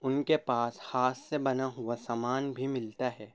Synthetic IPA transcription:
ʊnkepaːshaːsːebɐnaɦʊasaːmaːnbʱimɪlt̪aɦɛː

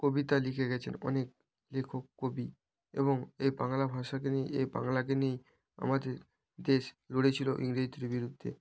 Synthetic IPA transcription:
kobit̪alikʰeɡɛt͡ɕʰenɔ̰nek̚ | lekʰokːobi | ḛβoŋejbaŋlabʱaʃak̬enijejba̰ŋlak̬enij | a̰mad̪eɾ | d̪eʃ | loɽet͡ɕʰiloʔiŋɾed͡ʑit̪eɾbiɾud̪ʱːḛ

